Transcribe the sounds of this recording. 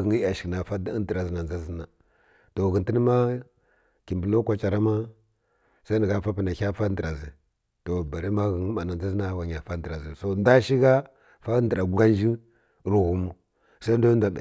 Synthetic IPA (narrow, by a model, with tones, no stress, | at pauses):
ɣə˨ŋ˦a˨ʃkna˨fa˦dndə˨ɾa˨zi˨na˨n˨za˦zi˦na˨ | to˨ɣi˨nti˦ni˦ma˦ | ki˨mbə˨lo˦kʷa˨t͡ʃa˨ɾa˦ma˦ | sa˦ni˨ɣa˦fa˦pi˨na˨a˦fa˦də˨ɾa˨zi˨ | to˨ba˨ɾi˦ma˦ɣə˨ŋ˦ma˨na˨nza˦zi˦na˦˨wa˨ɲa˨fa˦də˨ɾa˨zi˨so˦nda˦ʃi˦ɣa˦ | fa˦ndə˨ɾa˨ɡu˨˦ɡa˦n˦d͡ʒi˦ | ɾu˨ɣu˨mu˦ | sa˦do˦da˨ɓa̰˨